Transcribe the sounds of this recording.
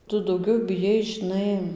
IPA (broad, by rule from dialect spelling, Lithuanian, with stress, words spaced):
ˈtʊ dɐʊˈɡʲɛʊ bʲɪˈjɛɪs ʒʲɪˈnɐɪ